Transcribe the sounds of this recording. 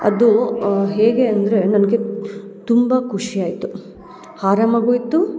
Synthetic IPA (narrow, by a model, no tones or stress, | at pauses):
ɐ̰d̪uɦeːɡeɐnd̪ɐɾe̞nɐnɡet̪umbɐkʰuʂiaːjit̪u | haːɾaːmɐɡuit̪ːu